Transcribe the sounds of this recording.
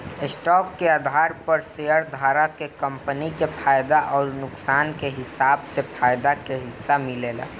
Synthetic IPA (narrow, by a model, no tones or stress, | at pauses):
ɪsʈɔːkːeaːd̪ʱaːɾpəɾseəɾd̪ʱaːɾakekə̃mpənikepʰaːjd̪aʔɔːɾnʊksaːnkeɦɪsaːbsepʰaːjd̪akeɦɪsːamɪleːla̰